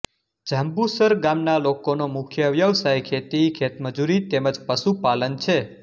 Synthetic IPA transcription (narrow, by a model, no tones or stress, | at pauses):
d͡ʒəmbusəɾɡamnalokonomʊkʰjəʋjəʋsajkʰet̪ikʰet̪məd͡ʒuɾit̪eməd͡ʒpəsupalənt͡ʃʰe